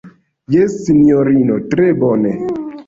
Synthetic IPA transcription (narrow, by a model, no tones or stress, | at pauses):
jesːinioɾinotɾebɔne